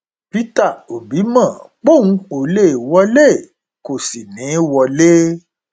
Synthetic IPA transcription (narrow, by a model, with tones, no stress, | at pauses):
pi˦ta˦˨o˨bi˨˦mã˦˨k͡po˦˨ũ˦˧o˨le˦˨wɔ˦le˦˨ | ko˨si˨nĩ˨˦wɔ˧le˦